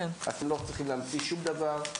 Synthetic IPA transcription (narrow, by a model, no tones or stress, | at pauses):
ena̰t̪emlot͡sʁiχimleamt͡siʃumd̪avaʁ